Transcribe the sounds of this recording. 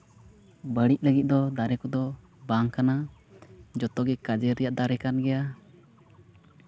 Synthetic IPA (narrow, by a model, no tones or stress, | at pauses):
bəɽic̚ˀləɡit̪̚ˀd̪ɔd̪aɾɛkɔd̪ɔ | baŋkana | d͡ʒɔt̪ɔɡɛkad͡ʒɛɾɛjaʔd̪aɾɛkanɡɛja